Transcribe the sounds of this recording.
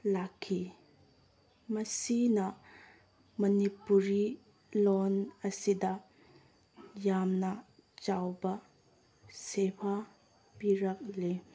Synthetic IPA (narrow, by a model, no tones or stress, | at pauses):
lakʰːi | mɐsinɐ | mɐnipuɾi | lonɐsidɐ | jamnɐt͡ʃawbɐ | sepʰa | piɾɐk̚le